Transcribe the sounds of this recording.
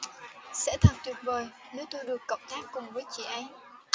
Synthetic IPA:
sɛ̰˧˥t̪ʰə˨˩t̚t̪wi˨˩t̚vəː˨˩j | ne˨˦t̪o˧jɗɨ˨˩əkːə̰˧˨wŋ͡mt̪aː˦˥k̚ːʊ˨˩ŋ͡mvəː˨˦jt͡ɕḭ˧˨ʔa˧jŋ

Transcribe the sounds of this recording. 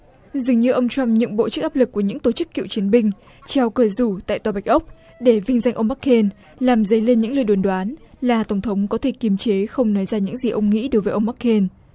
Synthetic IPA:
zɨ˨˩əŋɲɨ˧ʔə˧wŋ͡mt͡ɕa˧mɲɨ̰˧˥ŋɓo̰˧˨t͡ɕɨ˦˥k̚ʔaː˦˥p̚lɨ˨˩kːu˧˩əɲɨ̰˧˥ŋt̪o˧˩t͡ɕɨ˦˥kːḭ˧˨wt͡ɕi˨˦ənɓï˧ŋ̟ | t͡ɕɛ˧wkəː˧˩zu˧˩t̪a̰ː˧˨jt̪waː˨˩ɓa˨˩jk̟̚ʔə˦˥wk͡p̚ | ɗe˧˩vï˧ŋ̟za˧jŋ̟ʔə˧wŋ͡mmaː˦˥kʰːe˧n | laː˨˩mzə˨˦jle˧nɲɨ̰˧˥ŋlɨ˧˩jɗo˨˩nɗwaː˨˦nlaː˨˩t̪ə˧˩ŋ͡mt̪ʰə˨˦wŋ͡mkɔ˨˦t̪ʰe˧˩ki˨˦əmt͡ɕe˨˦xə˧wŋ͡mnɔ˨˦jzaː˧ɲɨ̰˧˥ŋzi˨˩ʔə˧wŋ͡mŋḭ˧˥ɗo˨˦jvəː˨˦ʔə˧wŋ͡mmaː˦˥kʰːe˧n

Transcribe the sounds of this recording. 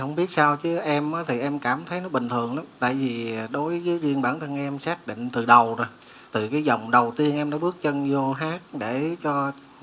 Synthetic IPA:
hə˧wŋ͡mɓi˦˥ət̚saː˧wt͡ɕɨ˨˦ʔɛ˧mʔaː˨˦t̪ʰi˨˩ʔɛ˧mkaː˧˩mt̪ʰə˨˦jnɔ˨˦ɓï˨˩ŋ̟t̪ʰɨ˨˩əŋla˨˦mt̪a̰ː˧˨jvi˨˩ɗo˨˦jvəː˨˦jzi˧ənɓaː˧˩nt̪ʰə˧ŋʔɛ˧msaː˦˥k̚ɗḭ̈˧˨ŋ̟t̪ɨ˨˩ɗə˨˩wɾo˨˩j | t̪ʰɨ˨˩kaː˨˦jzə˨˩wŋ͡mɗə˨˩wt̪i˧ənʔɛ˧mɗaː˨˦ɓɨ˦˥ək̚t͡ɕə˧nzo˧ɦaː˦˥t̚ɗe˧˩t͡ɕɔ˧

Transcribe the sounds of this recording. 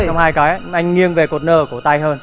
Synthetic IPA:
a˧wŋ͡mhaː˧jkaː˨˦jʔa˧jŋ̟ŋi˧ənve˨˩ko˨˩t̚nəː˧˩ku˧˩ət̪a˧jɦəː˧n

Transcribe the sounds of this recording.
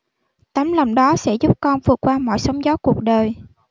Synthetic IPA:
t̪a˨˦mla˨˩wŋ͡mɗɔ˨˦sɛ̰˧˥zu˦˥p̚kɔ˧nvɨ˨˩ək̚waː˧mɔ̰˧˨jsə˨˦wŋ͡mzɔ˨˦ku˨˩ək̚ɗəː˨˩j

